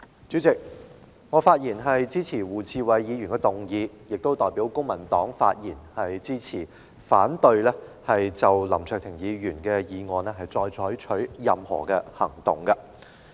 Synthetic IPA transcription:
t͡syː˨˥t͡sɪ˨k̚ | ŋɔː˨˧faː˧t̚jiː˨˩nɦɐ˨jt͡siː˥t͡sʰiː˨˩wuː˨˩t͡sʰiː˧wɐ˨jjiː˨˧jyː˨˩nkɛ˧t̪ʊ˨ŋjiː˨˧ | jɪ˨k̚t̪o˥wt̪ɔː˨jpi˨˥wkʊ˥ŋmɐ˨˩nt̪ɔː˨˥ŋfa̰ː˧t̚jiː˨˩nhɐ˨jt͡siː˥t͡sʰiː˨˩ | faː˨˥nt̪ɵ˧ɥlɛː˥hɐ˨jt͡sɐ˨wlɐ˨˩mt͡ʃʰœ˨k̚t̪ʰɪ˨˩ŋjiː˨˧jyː˨˩nkɛ˧jiː˨˧ŋɔː˨nɛ˥ɦɐ˨jt͡sɔː˧jt͡ʃʰɔː˨˧˥ɥt͡ʃʰɵ˨˥ɥjɐ˨mhɔ̰ː˨˩kɛː˧hɐ̰˨˩ŋt̪ʊ̰˨˩ŋkɐ˧

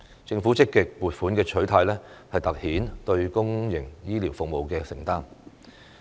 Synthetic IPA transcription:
t͡sɪ˧ŋfuː˨˥t͡sɪ˥kːɪ˨k̚puː˨t̚fuː˨˥nkɛː˧t͡ʃʰɵ˨˥ɥt̪ʰaː˧jlɛː˥hɐ˨jt̪ɐ˨k̚hiː˨˥nt̪ɵ˧ɥkʊ˥ŋjɪ˨˩ŋjiː˥liː˨˩wfʊ˨k̚mo˨wkɛː˧sɪ˨˩ŋt̪aː˥n

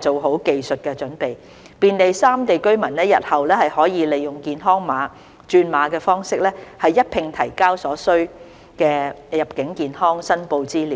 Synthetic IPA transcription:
t͡ʃo˨wɦo˨˥wke˨jsɵ˨t̚kɛ˧t͡ʃɵ˨˥npe˨j | piː˨nt̪e˨jsaː˥mt̪e˨jkɵ˥ɥmɐ˨˩nnɛː˥jɐ˨t̚hɐ˨wlɛː˥hɐ˨jhɔː˨˥jiː˨˧le˨jʊ˨ŋkiː˨nɦɔː˥ŋmaː˨˧ | t͡ʃyː˧nmaː˨˧˥kɛː˧fɔː˥ŋsɪ˥k̚lɛː˥hɐ˨jːɐ˥t̚pʰɪ˧ŋt̪ʰɐ˨˩jkaː˥wsɔː˨˥sɵ˥ɥ | kɛː˧jɐ˨˩p̚kɪ˨˥ŋkiː˨nhɔː˥ŋsɐ˥npo˧wt͡siː˥liː˨˦

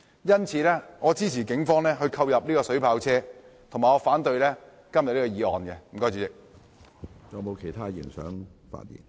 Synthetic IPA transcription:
jɐ˥nt͡sʰiː˨˧lɛː˥ŋɔː˨˧t͡siː˥t͡sʰiː˨˩kɪ˨˥ŋfɔː˥ŋlɛː˥ɦɵ˧ɥkʰɐ˧wjɐ˨p̚liː˥kɔː˧sɵ˨˥ɥpʰaː˧wt͡sʰɛː˥ | t̪ʰo˨˩ŋmaː˨ŋɔː˨˧faː˨˥nt̪ɵ˧ɥlɛː˥ | kɐ˥mjɐ˨t̚liː˥kɔː˧jiː˨˧ɔ̰ː˨nkɛ˧m̩˨˩kɔː˥jt͡ɕyː˨˥t͡sɪ˨k̚ | t͡sɔ˨˩mo˨˧wkʰe˨˩jt̪ʰaː˥jḭ˨˩nsœ̰ː˨˥ŋfa̰ː˧t̚jḭː˨˩n

